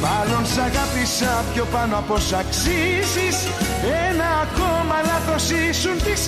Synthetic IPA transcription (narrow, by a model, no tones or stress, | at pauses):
mɐlo̞nsɐɣɐpisɐpçopanoɐpo̞sɐksisis | enɐːkomɐlɐθo̞sisunt̪is